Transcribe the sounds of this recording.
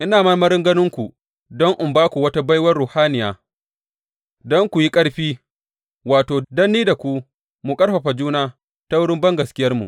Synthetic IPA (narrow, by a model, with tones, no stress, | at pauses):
ʔɪ˦naː˨mɐ˦mɐ˦ɾɪ˦ŋɡɐ˦nɪ˦ŋkʷu˨ | dɔ˦ŋʔʊ˨mbaː˦kʷu˨wɐ˦ta˦bɐ˦jwɐ˦rːʊ˨haː˦nɪ˨jaː˨ | dɔ˦ŋkʷu˨ji˦kʼɐ˦ɽɸiː˦ | waː˨toː˨dɐ˦nːiː˦da˨kʷu˦ | mu˨kʼɐ˦ɽɸɐ˨ɸa˨d͡ʒuː˦naː˦ | ta˦wʊ˦ɽɪ˦mbɐ˦ŋɡɐ˨skʲɪ˦jɐ˦rmṵ˨ʔ